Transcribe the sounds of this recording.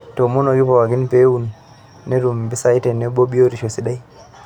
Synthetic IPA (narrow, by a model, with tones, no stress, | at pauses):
to˨mo˦no˨ɡi˦po˨wa˨ɡi˦npe˦wu˨nː | e˦ɾu˨mbi˦sa˦jte˨ne˦bo˦ɓi˦jo˦ɾi˨ʃo˨si˨ɗa˦j